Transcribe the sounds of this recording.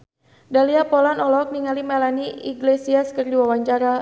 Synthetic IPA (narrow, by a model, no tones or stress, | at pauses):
daliapɔlanɔlɔk̚niŋalimalaniḭɡlesiaskərdiwawaɲt͡ʃaɾa